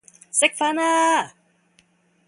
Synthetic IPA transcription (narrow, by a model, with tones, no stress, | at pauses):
sɪ˦k̚fa˧˦na˦